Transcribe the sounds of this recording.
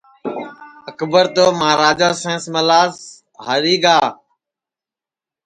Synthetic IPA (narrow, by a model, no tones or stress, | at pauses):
əkbəɾt̪oːmãːɾaːd͡ʒaːsẽːsməlaːs | ɦəɾiːɡaː